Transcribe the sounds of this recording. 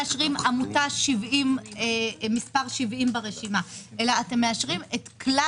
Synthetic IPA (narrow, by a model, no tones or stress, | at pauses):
aʃʁimamutaʃivʔimemispaʁʃivʔimbeʁeʃimaʔe̞laːte̞mːeaʃʁimetkla